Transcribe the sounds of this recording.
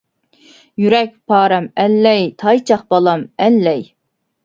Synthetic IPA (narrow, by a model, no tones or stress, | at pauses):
jyɾɛk̚ʲpʰɑːɾɛmɛlːɛjt̪ʰɑjt͡ʃʰɑχbɑlˠɑmɛlːɛj